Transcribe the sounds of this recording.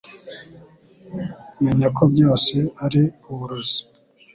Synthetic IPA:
meɲakʰo̞bɟo̞ːse̞aɾiuβuɾozi̥

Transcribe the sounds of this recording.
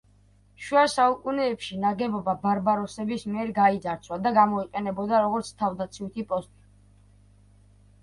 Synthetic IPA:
ʃuasaukʼunɛːpʃinaɡɛbɔbabaɾbaɾɔsɛbismiɛɾɡaizaɾt̪sʰwad̪aɡamɔiqʼɛnɛbɔd̪aɾɔɡɔɾt̪sʰt̪ʰavd̪at̪sʰiut̪ʰipʼɔst̪ʼi

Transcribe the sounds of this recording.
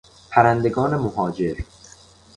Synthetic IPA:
pʰæɾænd̪e̞ɡɒːne̞moɦɒːd͡ʒe̞ɾ

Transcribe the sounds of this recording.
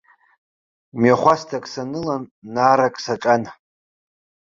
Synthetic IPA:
mjaχʷastʰakʼsanɨlanːaːɾakʼsaʈ͡ʂʼan

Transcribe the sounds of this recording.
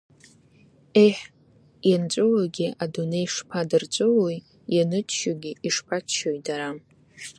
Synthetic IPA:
eħ | jant͡ɕʷʼɨlaɡʲiʔadunejʂpʰadɨrt͡ɕʷʼʊloj | janɨtʰʃʊɡʲiiʂpʰat͡ʃʰʃojdaɾa

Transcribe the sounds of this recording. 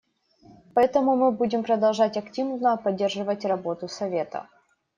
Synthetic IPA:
pɐɛt̪əmʊmɨbudʲɪmpɾəd̪ɐlˠʐatʲɐktʲivnnəpɐdʲːe̞rʐɨvətʲrɐbo̞t̪ʊsɐvʲe̞t̪ə̰

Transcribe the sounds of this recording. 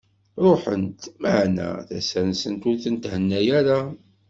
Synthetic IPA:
ɾoħə̰nt̪məʕnæ̰θæsæɾnsənt̪ʊɾθənt̪hənːæjæɾa

